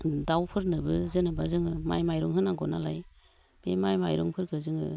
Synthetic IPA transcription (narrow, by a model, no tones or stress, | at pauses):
dawpʰɯɾnɯbɯzɯnɯbazɯŋɯma̰jmajɾɔŋɦɯnaɡɔnala̰j | b̥emajmajɾɔŋpʰɯɾkʰɯzɯŋɯ̰